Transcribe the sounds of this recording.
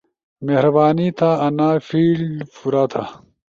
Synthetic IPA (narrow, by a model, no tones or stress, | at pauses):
mehɾɐbaːnit̪ʰaɐnaːfiːlɖfuɾaːt̪ʰa